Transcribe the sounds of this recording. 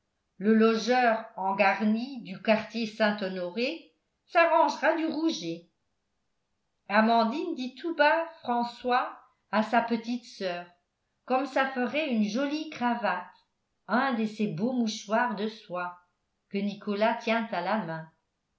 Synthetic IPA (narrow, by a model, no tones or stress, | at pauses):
ləlɔʒœːʁɑ̃ɡaʁnid̪ykaʁt̪jesɛ̃t̪ɔnɔʁe | saʁɑ̃ʒʁad̪yʁuʒe | amɑ̃d̪ind̪it̪ubafχɑ̃swa | asapət̪it̪sœːʁ | kɔmsafəʁɛynʒɔlikχavat̪ | ɛ̃d̪əsebomuʃwaʁd̪əswa | kənikɔlat̪jɛ̃t̪alamɛ̃